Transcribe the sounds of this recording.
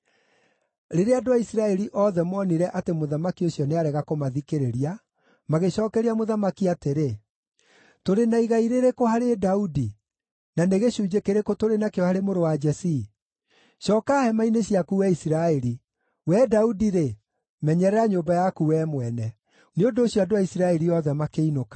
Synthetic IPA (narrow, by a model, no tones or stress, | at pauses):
ɾeɾeadowaisiɾaɛɾiʔɔðɛmwɔniɾɛʔatemoðamakioɕjɔneaɾɛɣakomaðikeɾeɾia | maɣeɕɔːkɛɾiamoðamakiateɾe | toɾenaiɣaiɾeɾekohaɾedaudi | naneɣeɕuːd͡ʑekeɾekotoɾenakeɔhaɾemoɾowad͡ʒɛsi | ʃɔkahɛmaineɕjakuwɛisiɾaɛɾi | wɛdaudiɾe | mɛɲɛɾɛɾaɲombajakuwɛmwɛnɛ | neondoːɕjɔadoaisiɾaɛɾiɔðɛmakeinokḁ